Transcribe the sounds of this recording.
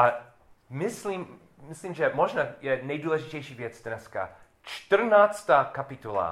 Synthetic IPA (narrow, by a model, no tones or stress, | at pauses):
ʔa | mɪsliːmː | ɪsliːmʒɛmoʒnajɛnɛjduːlɛʒɪcɛjʃiːvjɛt͡sdnɛska̰ | t͡ʃt̪r̩naːt͡st̪aːkapɪt̪ola̰